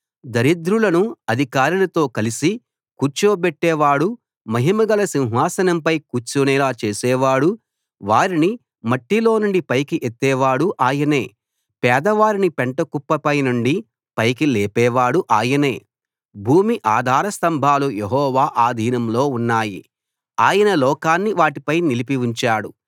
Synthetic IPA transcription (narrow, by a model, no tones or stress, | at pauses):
d̪ɐɾid̪ɾulɐnuɐd̪ʱikaːɾulɐt̪o̞ːkɐlisi | kut͡ʃoːbɛʈːɛːʋaːɽu | mɐɦimɐɡɐlɐsĩw̃ɦaːsɐnɐmpɐjkut͡ʃuːnɛːlaːt͡ʃeːsɛːʋaːɽu | ʋaːɾini | mɐʈːilo̞ːnuɳɖipɐjkiʔet̪ːɛːʋaːɽuʔaːjɐne̞ː | pɛːd̪ɐʋaːɾinipeɳʈɐkupːɐpɐjnuɳɖi | pɐjkilɛːpɛːʋaːɽuʔaːjɐne̞̰ː | bʱuːmiʔaːd̪ʱaːɾɐst̪ɐmbʱaːlujeɦɔːʋaːʔaːd̪ʱiːnɐmlo̞ːunːaːjḭ | aːjɐnɐlɔːkaːnːiʋaːʈipɐjnilipiʋuɲt͡ʃaːɽu